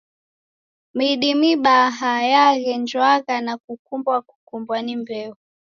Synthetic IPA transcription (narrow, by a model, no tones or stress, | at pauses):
miɗimiɓaɦajaɣɛnd͡ʒwaɣanakukumbwaku̥kumbwanimbɛu